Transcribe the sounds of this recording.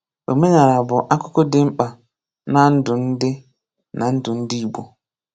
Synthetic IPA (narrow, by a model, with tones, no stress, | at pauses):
ɗo˨me˦ɲa˨ɾa˨bɔ˨ʔa˦ko˦kɔ˦dɪ˦m̩˦ɓa˨ | na˦n̩˦dʊ˨n̩˦dɪ˦ | na˨˦n̩˦du˨n̩˦di˦i˦˨bo˨